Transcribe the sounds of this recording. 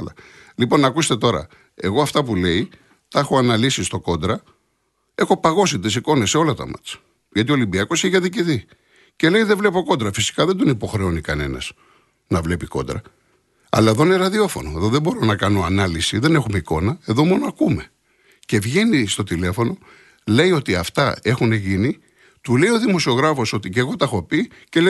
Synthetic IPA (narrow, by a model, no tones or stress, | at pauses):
lɐ | lipo̞nɐkust̪e̞t̪o̞ɾɐ̰ | e̞ɣo̞ɐft̪ɐpule̞i | t̪exo̞ɐnɐlisist̪o̞ko̞nd̪ɾɐ | e̞xo̞pɐɣo̞sit̪isiko̞ne̞sːe̞o̞lɐt̪ɐ̰mɐ̰t͡s | ʝɐt̪io̞limbiɐko̞siçɐðiciði | ce̞le̞iðevle̞po̞ko̞nd̪ɾɐfisi̥kɐðe̞nd̪onipo̞xɾeo̞nikɐne̞̰nɐ̰z̥ | nɐvle̞piko̞̰nd̪ɾɐ̰ | ɐ̰lɐe̞ðo̞ineɾɐðio̞fo̞̰no̞eðo̞ðebo̞ɾo̞nɐkɐno̞ɐnɐlisiðe̞nexume̞iko̞nɐe̞ðo̞mo̞noɐkume̞ | ce̞vʝe̞nist̪o̞t̪ile̞fo̞no̞ | le̞io̞t̪iɐft̪ɐe̞xune̞ʝini | t̪ule̞io̞ðimo̞sio̞ɣɾɐfo̞so̞t̪ice̞ɣo̞t̪exopi | ce̞le